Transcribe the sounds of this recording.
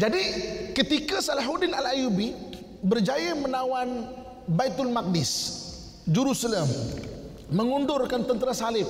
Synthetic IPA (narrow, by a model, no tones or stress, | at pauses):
d͡ʒadikət̪ikasalaɦudɪnalajubi | bərd͡ʒajamənawan | bait̪ʊlmak̚dɪs | d͡ʒuɾusaləmː | əŋundʊrkant̪ənt̪əɾasalɪp̚